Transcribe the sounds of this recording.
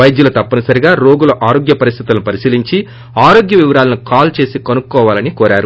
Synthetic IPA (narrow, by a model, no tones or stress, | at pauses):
ɐjd̪julɐːt̪ɐpːɐnɐsɐɾiɡaːɾo̞ːɡuloʔaːɾo̞ːɡjɐpɐɾist̪ʰit̪ulɐnupɐɾisiːliɲt͡ʃi | aːɾo̞ːɡjɐʋiʋɐɾaːlɐnukaːlt͡ʃe̞ːsikɐnukːɔːʋaːlɐnikɔːɾaːɾu